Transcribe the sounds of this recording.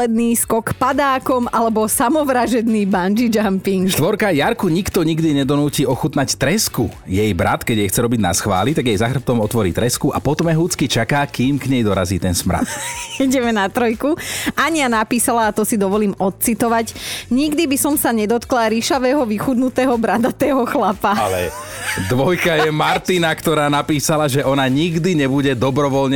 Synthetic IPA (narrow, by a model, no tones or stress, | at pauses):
ɛd̪niːskɔkpad̪aːkɔmalɛbɔsamɔʋɾaʒɛd̪niːband͡ʒid͡ʒampiŋɡʃt̪ʋɔɾkajaɾkuɲikt̪ɔɲiɡd̪iɲɛd̪ɔnuːciːɔxut̪nact̪ɾɛskujɛjbɾa̰t̪kɛɟjɛxt͡sɛɾɔbiɟna̰sxʋa̰ːlit̪aɡjɛjzaxr̩p̚t̪ɔmɔt̪ʋɔɾiːt̪ɾɛskuʔa̰pɔt̪ɔmɛɦuːt͡skit͡ʃakaːkiːmkɲɛjd̪ɔɾa̰ziːt̪ɛnsmɾa̰t̪iɟɛmɛnat̪ɾɔjkuaɲianapiːsalaːt̪ɔsid̪ɔʋɔliːmɔt̪̚t͡sit̪ɔʋaɟɲiɡd̪ibisɔmsaɲɛd̪ɔt̪klaɾiʃaʋɛːɦɔʋixud̪nut̪ɛːɦɔbɾad̪at̪ɛːɦɔxlapaalɛ | d̪ʋɔjkajɛmaɾt̪inakt̪ɔɾaːnapiːsalaʒɛʔɔnaɲiɡd̪iɲɛbuɟɛd̪ɔbɾɔʋɔlɲɛ